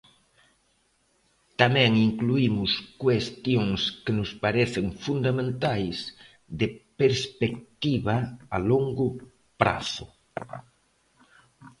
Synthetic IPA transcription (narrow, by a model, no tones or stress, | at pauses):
t̪amɛ̃ŋiŋkluimʊskwest̪joŋskɪnʊspaɾeθɪŋfund̪amẽnt̪ajs | ðɪpeɾspek̚t̪iβaaloŋɡʊ | pɾa̰θʊ